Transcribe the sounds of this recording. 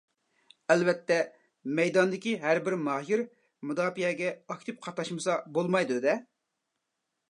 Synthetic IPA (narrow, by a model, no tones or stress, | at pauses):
ɛlvɛt̪ʰːɛ | mɛjd̪ɑnd̪ɪkʲiɦæɾbɪɾmɑːjiɾ | mud̪ɑːpijɛɡʲɛɑkʲt̪ʰɪp̚qʰɑt̪ːɑʃmɨsɑbolˠmɑjd̪ud̪ɛ